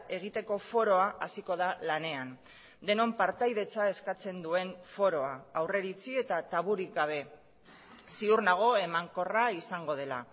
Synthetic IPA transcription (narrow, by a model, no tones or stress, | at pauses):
e̞ɣ̞it̪e̞ko̞fo̞ɾo̞aʔasiko̞ðalane̞an | d̪e̞no̞mpaɾt̪ajðe̞t͡sae̞skat͡se̞nd̪ue̞nfo̞ɾo̞aawre̞ɾit͡sie̞t̪at̪aβuɾiɡaβ̞e̞ | siuɾnaɣ̞o̞e̞maŋko̞raisaŋɡo̞ð̞e̞la